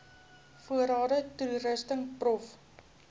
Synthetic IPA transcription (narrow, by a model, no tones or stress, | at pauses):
fuəɾɑːdəturəstəŋprɔf